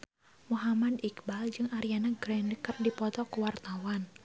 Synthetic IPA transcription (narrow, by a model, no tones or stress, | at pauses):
muɦamadikbald͡ʒɨŋaɾijanaɡɾɛndəkər̚dipɔt̪ɔkuwart̪awan